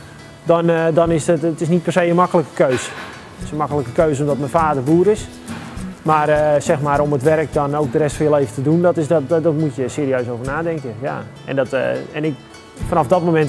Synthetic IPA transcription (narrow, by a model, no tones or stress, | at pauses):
dɔndɔnɪsətətɪs̬nit̚pɛrsejənmakələkə̥køɥs | tɪ̥sənmakələkəkøɥs̬omdɔt̚mənfaːdərbuːəɾɪs | maːrəsɛxmaːɾomətʋɛɾək̚dɔnowk̚dərɛstfɑnjəlejvəntədundɔtɪsdɔtdɔtmutjəseːɾiøɥsowvərnaːdɛŋkəja̰ | ɛ̰ndɔtɛnɪk | fanɑfdɔt̚momɛnt